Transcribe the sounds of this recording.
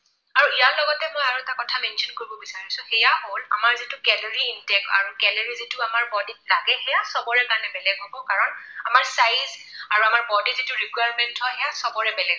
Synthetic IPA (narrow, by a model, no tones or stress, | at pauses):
aɹuijaɹlɔɡɔtɛmojaɹuɛtakɔtʰamɛnʃɔnkoɹibɔbisaɹisʊ̃xɛjaɦolamaɹzitʊɡɛlɔɹiːntɛk̚a̰ɹukɛlɔɹizitʊamaɹbɔditlaɡɛhɛjasɔbɔɹɛkaɹnɛbɛlɛɡɔbɔkaɹɔnamaɹsajzaɹuamaɹbɔditzitʊɹikwajɹmɛntʰhɔhɛjasɔbɔɹɛbɛlɛɡ